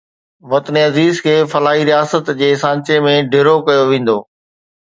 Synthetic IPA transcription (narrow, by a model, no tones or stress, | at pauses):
ʋɐt̪əniɐziːzkʰeːfɐlaːɦiɾijaːsət̪d͡ʑeːsãːɲt͡ɕemẽɖʱɪɾokɐjoʋẽːn̆d̪oː